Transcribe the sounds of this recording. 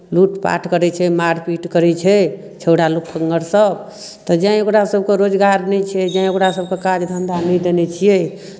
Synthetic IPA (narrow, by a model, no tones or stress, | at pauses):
luʈpa̰ʈʰkəɾɛt͡ʃʰɛmaɾpiʈkəɾɛt͡ʃʰɛ | t͡ʃʰewɽalukːəŋɡəɾsəb | t̪ɔd͡ʒãĩokɾasəb̚ʱkeɾod͡ʒɡaɾnɛt͡ʃʰɛd͡ʒãĩokɾasəbkekad͡ʒd̪ʱə̃nd̪anɛd̪enɛt͡ʃʰijɛ